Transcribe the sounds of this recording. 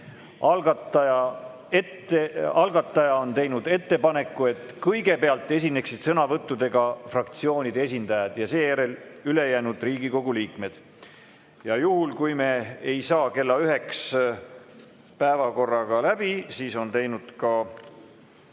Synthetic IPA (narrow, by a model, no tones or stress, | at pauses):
ɑlɡɑt̪ːɑjɑ | et̪ːeɑlɡ̥ɑt̪ːˑɑjɑont̪e̞jnud̪̥e̞t̪ːe̞pɑne̞kːˑue̞t̪ːˑkɤjɡe̞peɑlt̪ˑːe̞s̬ʲinːe̞ksid̪̥sɤnɑvɤt̪ːud̪e̞ɡ̥ɑfrɑkt̪sio̞ːnʲid̪̥ees̬ʲind̪̥ɑjɑd̪̥jɑse̞ːjæɾe̞lyle̞jæːnud̪̥riːɡiko̞ɡ̥uliːkme̞d̪̥ | jɑjuhulkujme̞ejsɑːke̞lːɑyɦe̞ks | pæevɑko̞rːɑɡ̥ɑlæb̥isiːso̞nt̪e̞jnud̪̥kɑ